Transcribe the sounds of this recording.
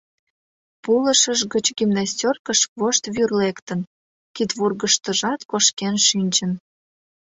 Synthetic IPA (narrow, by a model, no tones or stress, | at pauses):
puləʃəʒɣət͡ɕɡimnɑsʲtʲorkəʃβoʃt̪βyrlekt̪ən | kit̪βurɣəʃt̪əʒɑt̪koʃkenʃinʲt͡ɕən